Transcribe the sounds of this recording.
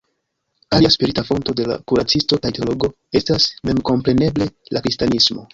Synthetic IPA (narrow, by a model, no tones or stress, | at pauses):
aliaspiɾitafo̞nto̞de̞la̰kuɾat͡sisto̞kajteolo̞ɡo̞ | e̞stasme̞mko̞mpɾe̞ne̞ble̞lakɾistanismo̞